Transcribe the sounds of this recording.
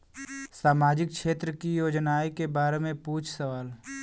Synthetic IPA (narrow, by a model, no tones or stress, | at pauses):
saːmaːd͡ʒɪk̚kʃeːt̪ɾəkijoːd͡ʒnaːikebaːɾemẽpuːt͡ʃʰsəʋaːl